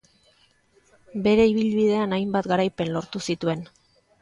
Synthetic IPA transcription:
be̞ɾe̞iβ̞ilβið̞e̞anajmbat̪ɡaɾajpe̞nlo̞ɾt̪usit̪ue̞n

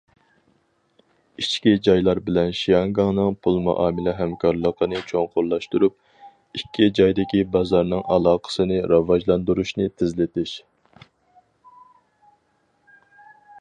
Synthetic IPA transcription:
it͡ʃkʲid͡ʒɑjlˠɑɾbɪlɛnʃijɑŋɡɑŋnɨŋpʰulˠmɑ̰ʔɑːmɪlɪɦɛmkʰɑɾlˠəqənɨt͡ʃʰoŋqʰʊɾlˠɑʃt̪uɾup̚ | ikʲːid͡ʒɑjd̪ɪkʲibɑzɑɾnɨŋʔɑlˠɑːqʰə̥sɨnɨɾɑvɑʒlˠɑnd̪uɾuʃnɨt̪ʰɪzlɪt̪ɪʃ

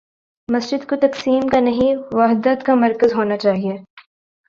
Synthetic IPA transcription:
mɐsd͡ʒɪd̪kot̪ɐksiːmkanɐɦĩʋɐɦd̪ət̪kamɐɾkəzɦoːnat͡ʃaːɦie

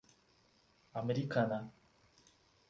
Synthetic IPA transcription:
ameɾikana

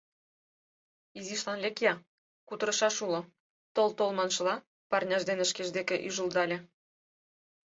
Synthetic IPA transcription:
iziʃlɑnlʲekjɑ | kut̪əɾɤ̆ʃɑʃulŏ | t̪olt̪olmɑnʃɤ̆lˠɑ | pɑrnʲɑʒd̪enə̆ʃkeʒd̪ekĕʔyʒə̆ld̪ɑlʲĕ

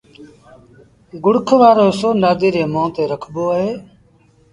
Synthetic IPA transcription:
ɡʊɽkʰʋaːɾoːsoːnaːd̪iːɾeːmõːt̪eːɾəkʰboːəɦeː

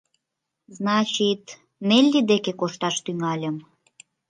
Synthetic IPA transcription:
znɑt͡ɕit̪ | melʲːid̪ekekoʃt̪ɑʃt̪yŋɑlʲəm

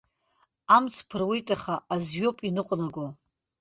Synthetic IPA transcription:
amt͡sʰpʰɨrwijtʼaχaazɥo̞pʼinɨqʷʼnaɡʷo

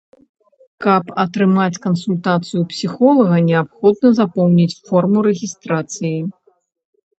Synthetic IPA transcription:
kɐpɐt̪ɾɨmat͡sʲkɐnsulʲt̪at̪sɨjupsʲixɔlˠɐɣɐnʲɛapxɔd̪nɐzapɔwnʲit͡sʲfɔrmuɾɛɣʲist̪ɾat̪sɨji

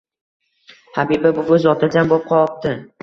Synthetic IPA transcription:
habibabʊɵzɒt̪ʰɪld͡ʒ̪anbop̚qʰɒɒp̚t̪ɪ

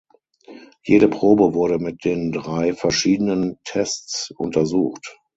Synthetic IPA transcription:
jeːɾəpʁ̥oːbəvʊɐɾəmɪt̚d̥eːndʁaɪfɛɐʃiːdənəntʰɛstt͡sʔʊ̰ntʰɐzuːxt

